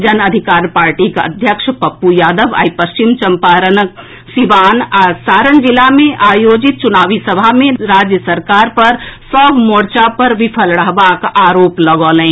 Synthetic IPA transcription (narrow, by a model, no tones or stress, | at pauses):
d͡ʒənəd̪ʱikaːɾpaːɾʈikə̰d̪ʱjəkʃpəpːujaːd̪əʋa̰ːipəst͡ʃimt͡ʃəmpaːɾən | siʋaːnasaːɾənd͡ʒilamẽʔaːjoːd͡ʒit̪̚t͡ʃʊnaːʋisəbʱamẽɾaːd͡ʒjəsəɾkaːɾpɐɾsɔːbmoːɽt͡ʃapəɾʋipʰəlɽəɦbakaːɾoːpləɡɔːlɛ̃